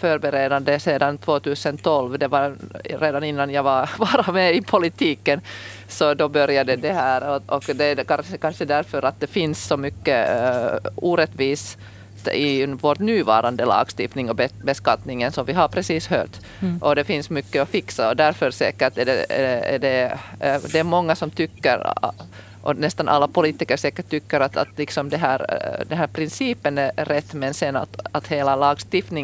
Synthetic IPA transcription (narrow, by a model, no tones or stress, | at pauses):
fœɾbɛɾeːd̪and̪əseːd̪ant̪ʰvoːt̪ʉːsənt̪ʰɔlvd̪ɛvɑɾɾeːd̪anɪnːanjavɑvɑːɾamɛɪpʰʊlɪt̪ʰiːkːən | sɔd̪ɔbœɾjad̪əd̪ɛhæːɾɔʔɔkd̪ɛkɑəkʰɑnʂəd̪æɾfœɾat̪̚d̪ɛfɪnsːɔmʏkːə | uːɾɛt̪ːʋiːs | ɪvoʈnʉːvɑ̰ːɾand̪əlɑ̰ːɡst̪ɪft̪nɪŋɔbbɛskɑt̪nɪŋənsɔmvɪɦaɾpʰɾɛsiːshø̰ːt̪ | ʔɔd̪ɛfɪnsmʏkːəɔfɪksaɔd̪æɾfœɾsɛ̰ːkəʈæɖɛ̰æ̰ɖɛ | d̪ɛːmɔŋːasɔmt̪ʰʏkːəɾ | ʔɔ̰nɛst̪anʔa̰lːapʊliːt̪ɪkəɾsɛːkəʈt̪ʰːʏkːəɾat̪a̰t̪lɪksɔmd̪ɛɦæːɾd̪ɛnɦæːɾpʰɾɪnsiːpənæɾɾɛt̪ːmɛnsɛnːa̰t̪at̪heːlalɑːɡst̪ɪft̪nɪŋ